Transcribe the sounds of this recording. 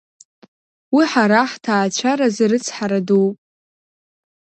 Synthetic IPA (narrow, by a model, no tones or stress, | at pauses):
wiħaɾaħtʰaːt͡ʃʷʰaɾazɾɨt͡sʰħaɾadowpʼ